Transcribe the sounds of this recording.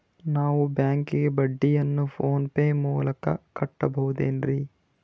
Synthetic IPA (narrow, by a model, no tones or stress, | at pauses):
naːʋubjaːŋkiɡebɐɖːijɐnːupʰoːnpeːmuːlɐkɐ̰kɐʈːɐbɐɦud̪ḛːnɾi